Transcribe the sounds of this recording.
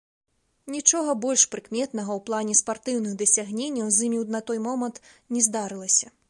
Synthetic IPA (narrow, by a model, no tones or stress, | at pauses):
nʲit͡ʂɔɣɐbɔlʲʂpɾɨkmʲɛt̪nɐɣɐwplˠanʲɛspart̪ɨwnɨɣd̪ɐsʲaɣnʲenʲːɐwzʲimʲiwnɐt̪ɔjmɔmɐnt̪ | nʲɛzd̪aɾɨlˠɐsʲɐ